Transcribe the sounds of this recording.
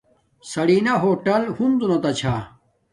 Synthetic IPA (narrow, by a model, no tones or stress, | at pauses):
sɐɽiːnɐɦoːʈɐlhund̪unɐt̪ɐt͡ɕʰaː